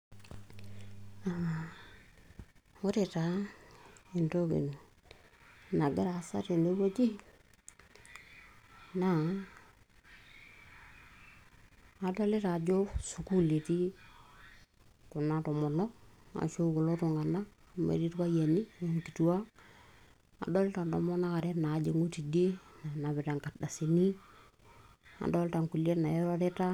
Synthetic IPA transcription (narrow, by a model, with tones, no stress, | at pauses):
a˨ | o˦ɾe˨ta˨ | i˨ndo˦kḭ˨ | na˨ɡɪ˦ɾa˨sa̰˦te˨ndo˦bo˦d͡ʒi˦ | na˦˨ | da˦le˦ɾa˨d͡ʒo˦su˨ku˦le˨ti˦ | kʊ˨na˨tɔ˨mɔ˨nɔ˦a̰˨ʃo˦ko˨lo˦to˨ŋa˨naː˦˨mḛ˨ɾi˦tka˦ja˨ni˦a˨ŋki˨tu˨wa˦ | a̰˨dɔ˦lɪ˦ta˨ndɔ˨mɔ˦na˦ka˨ɾɛ˦naː˨˦d͡ʒe˨ŋu˦ti˨de˦na˨na˨bɪ˨ta˨ŋka˨tda˨si˨ni˦ | a̰˨dɔ˦lta˨ŋku˨lje˦tna˨e˦ɾo˦ɾe˦ta˦